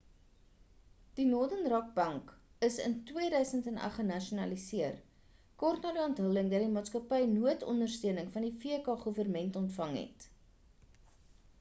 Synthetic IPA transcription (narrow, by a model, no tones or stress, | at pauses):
d̥inɔrdənrɐk̚bɐŋkəsə̰ntwiədœɥsəntɛnɐ̰χənɐʃunɐlisiər | kɔrtnɑːdiɔntɦələŋdɐtdimɑːtskɐpɛjnuətɔ̰ndərstøənəŋfɐndifiəkɑːχuvərmɛntɔntfɐŋɦɛ̰t